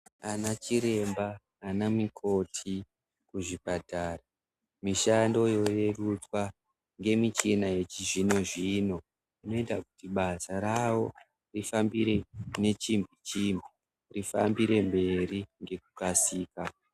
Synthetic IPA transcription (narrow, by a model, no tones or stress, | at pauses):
anat͡ʃiɾe̞mbaː | namikʰo̞tʰi | kuʐipatara | miʃando̞jo̞je̞rutwa | ŋɡe̞mit͡ʃinaje̞t͡ʃiʐino̞ʐino̞ | ino̞etakutiɓasaɾawo̞ | rifambiɾe̞ne̞t͡ʃimbit͡ʃimbi | rifa̰mbiɾe̞mbe̞ɾiŋɡe̞kukasiːka